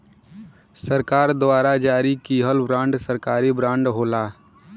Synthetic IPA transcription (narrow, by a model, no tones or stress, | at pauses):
səɾkaːɾd̪waːɾad͡ʒaːɾikiːɦəlbɾãːɳɖsəɾkaːɾibɾãːɳɖɦoːlaː